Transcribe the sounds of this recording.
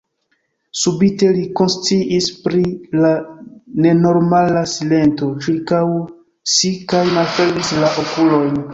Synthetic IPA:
subite̞liko̞nst͡siʔispɾilane̞no̞ɾmalasile̞nto̞t͡ʃiɾkaw | sikajmalfeɾmislaʔokulo̞jn

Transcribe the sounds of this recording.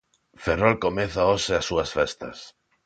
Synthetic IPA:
ferolkomeθaoseasuasfest̪a̰s

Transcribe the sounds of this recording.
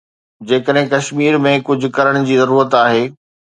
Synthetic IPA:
d͡ʑeːkəɗɦɪ̃kɐʃmiːɾmẽkʊd͡ʑʱʊ̆kɐɾəɽ̃ʊd͡ʑiːzɐɾuːɾət̪aːɦeː

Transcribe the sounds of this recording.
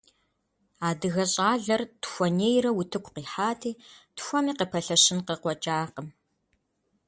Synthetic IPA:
aːdɨɣɐɕʼaːɮɐrtxʷɔneːjrɐwutʰɨkʷʰʼqiːħaːtʰiːtxʷɔmiːqəpʰɐɬɐʃɪnqəqʷɔt͡ʃʼaːqəm

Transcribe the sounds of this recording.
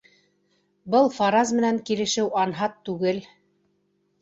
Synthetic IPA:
bɤlˠfɑɾazmɘ̆næŋkilɘ̆ʃɘwɑnɦɑt̪ːʉɡɘl

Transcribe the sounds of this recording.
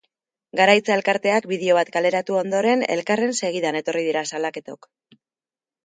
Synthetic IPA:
ɡaɾajt͡sae̞lkaɾt̪e̞akbiðeo̞βat̪kale̞ɾat̪uo̞nd̪o̞ɾe̞ne̞̰lkare̞nse̞ɣ̞iðane̞t̪o̞rið̞iɾasalake̞t̪o̞̰k

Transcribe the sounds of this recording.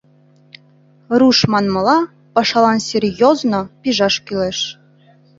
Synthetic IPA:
ruʃmɑnmɤ̆lˠɑ | pɑʃɑlˠɑnsʲerʲjoznopʲiʒɑʃkyleʃ

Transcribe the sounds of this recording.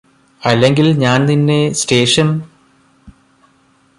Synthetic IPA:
ɐlːe̞ŋɡilɲaːnninːe̞steːʂɐn

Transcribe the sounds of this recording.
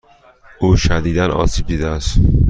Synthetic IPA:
uːʃæd̪iːd̪ænʔɒ̰ːsiːb̚d̪iːd̪ææst̪

